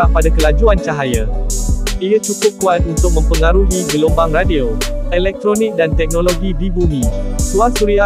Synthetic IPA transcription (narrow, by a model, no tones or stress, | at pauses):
apadakəlad͡ʒuant͡ʃaɦaja | ʔiat͡ʃukʊp̚kuat̪̚unt̪ʊk̚mə̃mpəŋaɾuɦiɡəlombaŋradio | elɛk̚t̪ɾonɪk̚dant̪ɛk̚nõloɡidibumĩsuasuɾia